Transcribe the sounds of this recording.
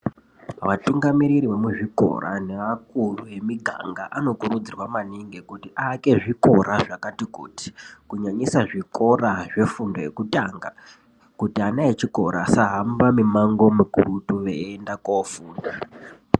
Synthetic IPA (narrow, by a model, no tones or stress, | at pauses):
ʋatuŋɡamiɾiɾiʋe̞muʐiko̰ra̰ne̞ʋakuruʋe̞miɡʱa̰ŋɡa̰ʔano̞kuɾud͡zirwamaniŋɡe̞kutiʔaːke̞ʐiko̞ɾaʐakatikuːti̥kuɲaɲisaʐiko̞raʐe̞fundo̞je̞̰kutaːŋɡa | kutianaet͡ʃiko̞̰ɾʔa̰saɦambamimaŋɡo̞mukuɾutuʋeːndakofuːnda